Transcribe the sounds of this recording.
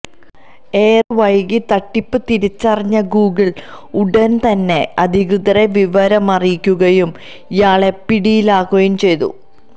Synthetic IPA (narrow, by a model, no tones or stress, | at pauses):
e̞ːrʋɐjɡit̪ɐʈːipːɨt̪iɾit͡ɕːɐrɐɲːɐɡuːɡiɭ | uɽɐnt̪ɐnːe̞ɐd̪ʱikrɨðɐɾe̞ʋiʋɐɾɐmɐrijkʲːuɣɐjum | ijaːɭe̞piɽijilaːɣɐjumt͡ɕe̞jt̪ṵ